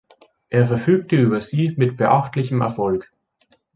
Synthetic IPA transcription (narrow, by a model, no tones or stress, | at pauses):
ʔeːɐfɛɐfyːk̚təʔyːbɐziːmɪtb̥əʔaχtlɪçəmɛ̰ɐfɔlk